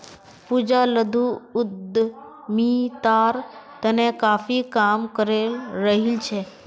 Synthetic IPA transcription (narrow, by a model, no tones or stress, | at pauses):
puːd͡ʒaləd̪ʱuʊd̪ | mit̪aɾt̪ənekaːfikamkəɾelɾəɦilt͡ʃʰe